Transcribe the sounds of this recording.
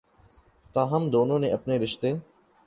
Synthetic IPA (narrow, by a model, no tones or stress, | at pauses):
t̪ãːɦəmd̪oːnõːnẽːəpneːɾɪʃt̪eː